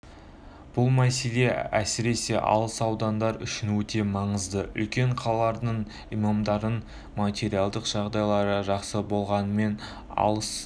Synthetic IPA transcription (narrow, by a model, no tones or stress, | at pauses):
b̥ʊlˠmæse̞le̞æsɪɾe̞se̞ʔɑ̰lˠəsɑwd̪ɑnd̪ɑɾʏ̰ʃɪnwɵt̪e̞mɑɴəzd̪əʏ̰lkʲe̞ɴqʰɑlˠɑlˠɑɾd̪əɴ | ijmɑmd̪ɑɾən | mat̪ʲe̞ɾialˠd̪əqʒ̥ɑʁd̪ɑjlˠɑɾəʒɑqsəbo̞lˠʁɑnəme̞n | ɑ̰lˠəs